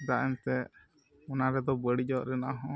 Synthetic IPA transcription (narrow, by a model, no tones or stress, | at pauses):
d̪aʔɛnt̪ɛ | ɔnaɾɛd̪ɔbəɽid͡ʒɔɾɛnaʔaɦɔ̃